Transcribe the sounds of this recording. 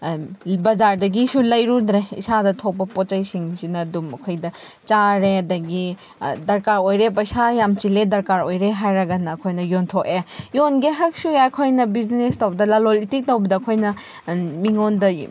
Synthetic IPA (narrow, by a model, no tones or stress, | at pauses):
bɐzaɾdɐɡisulɐjɾudɾeḭsadɐtʰok̚pɐpot͡ʃɐjsiŋsinɐːdumɐkʰojdɐt͡ʃaɾeɐdɐɡi | dɐɾkaɾojɾep̬ɐjsajamt͡ʃiledɐɾkaɾojɾeɦajɾɐɡɐnɐːkʰojnɐjontʰokejonɡeɦɐɾɐk̚sueɐkʰojnɐbizinestɐwbɐdɐlɐlolitik̚tɐwbɐdɐːkʰojnɐ | miŋondɐ